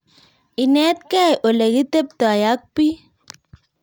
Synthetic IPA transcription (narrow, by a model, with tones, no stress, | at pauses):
i˨nɛ˦t̪̚kɛ˦˨jʔo˨le˨ɡi˦t̪e˦p̚t̪ɔ˨a˨ja˦k̚pi˦